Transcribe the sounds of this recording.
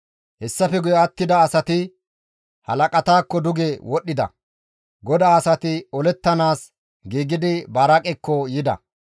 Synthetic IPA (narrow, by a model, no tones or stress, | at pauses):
hɛsːɐfɛɡʊjɛɐt̪ːɪd̪ɐːsɐt̪ɪ | hɐlɐkʼɐt̪aːkːɔd̪ʊɡewɔɗːɪd̪ɐ̰ | ɡɔd̪aːɐsɐt̪ɪɔlɛt̪ːɐnaːs | ɡiːɡɪd̪ɪbɐɾɐkʼɛkːɔjɪd̪ɐ̰